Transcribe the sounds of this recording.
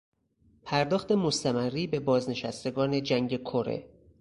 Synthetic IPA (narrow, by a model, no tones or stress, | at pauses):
pʰæɾd̪ɒːxt̪e̞mo̞st̪æmærːiːbe̞bɒːzne̞ʃæst̪e̞ɡɒːne̞d͡ʒæŋɟe̞kʰoɾḛ